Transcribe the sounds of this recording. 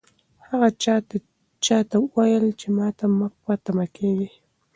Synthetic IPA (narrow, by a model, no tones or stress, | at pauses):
haɣat͡ʃat̪a | t͡ʃat̪awajalt͡ʃɪmat̪amːak̚pat̪amakeɡi